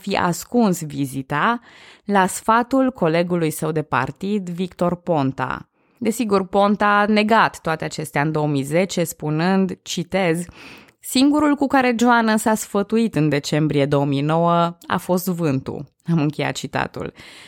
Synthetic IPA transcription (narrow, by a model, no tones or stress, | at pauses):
fiʔa̰skunsvizit̪alasfat̪ulkʰo̞le̞ɡulujsəwd̪e̞pa̰rt̪id̪vikt̪o̞rpo̞nt̪a̰ | d̪e̞siɡurpo̞nt̪ane̞ɡat̪ːoat̪e̞at͡ʃe̞st̪eaɨnd̪o̞omijze̞t͡ʃe̞spunɨnd̪t͡ʃit̪e̞z | siŋɡuɾulkukaɾe̞d͡ʒoanəsasfət̪uit̪ɨnd̪e̞t͡ʃe̞mbɾije̞d̪o̞omino̞wəa̰fo̞st̪vɨnt̪ṵ | amɨŋkʲe̞ja̰t̪̚t͡ʃit̪a̰t̪ṵl